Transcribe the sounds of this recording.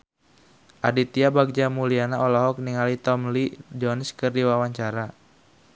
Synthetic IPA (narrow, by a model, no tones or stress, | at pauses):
ʔadit̪iabaɡ̚d͡ʒamulianaɔlɔɦɔk̚niŋalit̪ɔmlid͡ʒɔnskɨrdiwawaɲt͡ʃaɾa